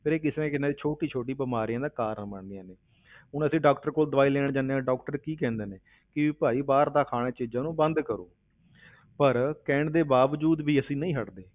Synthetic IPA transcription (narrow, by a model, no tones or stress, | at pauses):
pʰɪːɾeːkɪsẽkɪnaːd̪iːt͡ʃʰoːʈiːt͡ʃʰoːʈiːbəmaːɾiãːd̪aːkaːɾənbəɳd̪ɪjãːneː | ʊnəsĩːɖaːkʈəɾkoːld̪ʋaːiːlɛːɳd͡ʒãːneãːɖɔːkʈəɾkiːkɛ̃ːnd̪eːneː | kɪʋiːpaːiːbaːɾd̪aːkʰaːɽeːt͡ʃɪd͡ʒãːnũːbənd̪kəɾo̰ː | pəɾkɛːɳd̪eːbaːʋd͡ʒuːd̪ʋiːəsĩːnəĩːɦəʈd̪eː